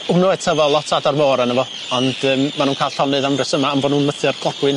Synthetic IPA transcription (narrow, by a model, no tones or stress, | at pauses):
ʊnɔɛtʰəvɔlˠɔtʰadarmoːɾanəvɔ | ɔndəːmːanuːnkʰaːjlˠɬɔnɨðamrɛsəmaːmboːdnuːnməθɨrɡ̥lˠɔɡ̥wɪn